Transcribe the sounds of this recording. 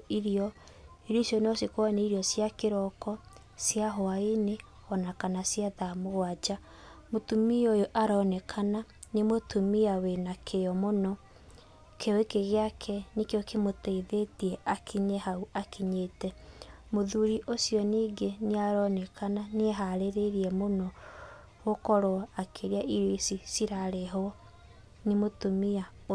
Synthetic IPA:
iɾiɔ | iɾoisjɔnɔsikwaneiɾjɔsjakeɾɔkɔ | sjaɦɔaine | ɔnakanasjaðamoɣwad͡ʒa | motumiojoʔaɾɔnɛkʰana | nemotumiawenakʰejɔmonɔ | kʰeɔekeɣeakʰɛnekeɔkemotɛiðetiɛʔakʰiɲɛhauakiɲeːtɛmoðuɾiʔosijɔniːɡeneaɾɔnɛkʰananeɛɦaɾeɾeɾiɛmonɔ | ɣokɔɾoakʰeɾeaʔiɾisisiɾaɾɛɦɔ | nemotomia

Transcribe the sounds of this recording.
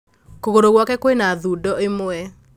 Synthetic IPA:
koɣoɾoɣwɔkɛkwenaðudɔemoɛ

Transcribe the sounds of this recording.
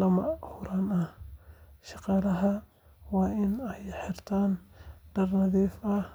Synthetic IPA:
ɐmɐhʊɾanɐh | ʃɑqɑːlɐɦɐ | wɑːʔɪnɛjħɪrt̪ʰaːnɖ̥ɐrnɐðiːfɐh

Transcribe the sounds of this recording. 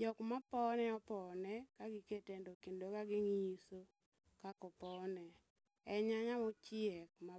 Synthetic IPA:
d͡ʒɔkmapɔnɛɔpɔnɛkaɡɪketendokendokaɡɪŋiiso | kakɔpɔnɛ | ɛɲaɲamɔt͡ʃɪɛk̚ma

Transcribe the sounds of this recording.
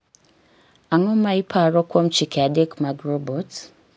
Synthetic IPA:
aŋɔmaipʰaɾɔkwom̩t͡ʃikʰɛadekmaɡrɔbot

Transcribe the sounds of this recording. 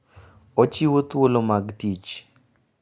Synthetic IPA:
ot͡ʃiwot̪wolomaɡtit͡ʃ

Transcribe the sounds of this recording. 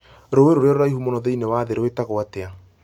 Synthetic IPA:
ɾoweɾoɾeɔɾoɾaiɦumonɔðeinewaðeɾoetaɣoatea

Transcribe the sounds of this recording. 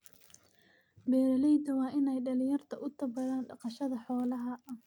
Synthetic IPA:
bɛːɾɐlɛjd̪ɐwɑːʔɪnɛjɖɐlɪjɐrt̪ʰɐʔʊt̪ʰɐbɐɾaːnɖɑqɑʃɐðɐħɔːlɐɦɐɐ

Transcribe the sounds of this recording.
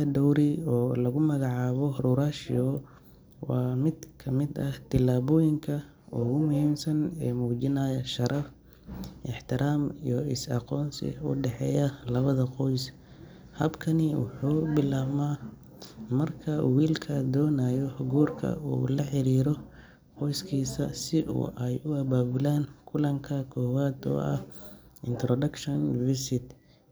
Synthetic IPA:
ɐd̪ɔwɾɪɔːlɐɣʊmɐɣɑʕɑːβɔhɾuɾaʃɪ̰ɔ | wɑːmɪd̪kʰɐmɪd̪ɐht̪ʰɪlaːβɔːjɪŋkʰɐ | uːɣʊmʊhiːmsɐnɛːmuːt͡ʃɪnaːjɐʃɐɾʔɐf | ʔɪħt̪ʰɪɾaːmḭjɔɪsɑ̰qɔːnsɪ̰ʊ̰ɖɛħɛ̰ːjɐlɐβɐðɐqɔjs | hɐbkʰɐnɪwʊ̰ħuːbɪlaːβmaː | mɐrkʰɐwiːlkʰɐd̪ɔːnaːjɔʊɡuːrkʰɐ̰ṵːlɐħɪɾiːɾɔ | qɔjskʰiːsɐsɪʔṵːʔɛjʊɐβaːbɪlaːŋkʰʊlɐŋkʰɐkʰɔːwaːd̪ɔ̰ːɐhɪ̰nt̪ɾɔdɐkʃɔnvɪsɪt̪

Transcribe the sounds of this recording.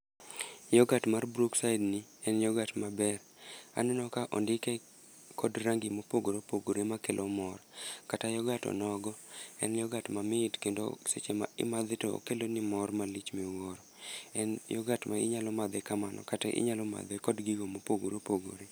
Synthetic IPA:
jɔɡatmarbɾuksaɪdnɪ | ɛnjɔɡatmabɛr | a̰nɛnɔkaʔɔ̰ndɪkɛ | kɔdɾaŋɡimopoɡoɾopoɡoɾemakelʔomɔrkatajɔɡatɔ̰nɔɡɔɛ̰njɔɡatmamɪtkendo̰set͡ʃema̰ɪ̰mad̪ɪto̰ːkelonɪmɔrmalit͡ʃmiuwoɾɔ | ɛnjɔɡatmaɪ̰ɲalɔmad̪ɛkamanɔ̰kataʔɪ̰ɲalɔma̰d̪ɛkɔdɡiɡomopoɡoɾopoɡo̰ɾe

